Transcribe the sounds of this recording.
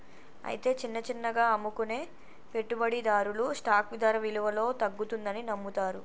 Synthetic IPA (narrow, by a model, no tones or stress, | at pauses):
ɐ̰jit̪e̞ːt͡ʃinːɐt͡ʃinːɐɡaːɐmːukune̞ː | pe̞ʈːubɐɽid̪aːɾulusʈaːkʋid̪ʱaːɾɐʋiluʋɐlo̞ːt̪ɐɡːut̪und̪ɐninɐmːut̪aːɾu